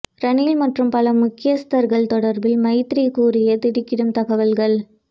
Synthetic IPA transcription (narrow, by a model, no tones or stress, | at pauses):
ɾɐnilmɐʈrɯmpɐlɐmʊkːɪjɐst̪ɐɾɣɐɭt̪ɔɽɐɾbɪlmɐɪt̪ɾikuːrɪjɐt̪ɪɽɪkːɪɽɯmt̪ɐɣɐʋɐlɣɐɭ